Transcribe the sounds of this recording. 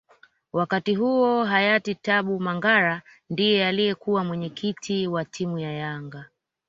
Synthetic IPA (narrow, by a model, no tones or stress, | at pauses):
wakatiɦuɔɦajatitaɓumaŋɡaɾa | ndijɛalijɛkuwamwɛɲɛkʰitʰiwatʰimujajaŋɡa